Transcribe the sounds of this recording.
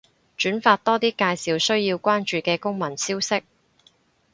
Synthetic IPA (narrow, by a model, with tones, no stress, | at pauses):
t͡ʃyː˨˥nfaː˧t̚t̪ɔː˥t̪iː˥kaː˧jsiː˨wsɵ˥ɥjiː˧wkʷaː˥nt͡ʃyː˨kɛː˧kʊ˥ŋmɐ˨˩nsiː˥wsɪ˥k̚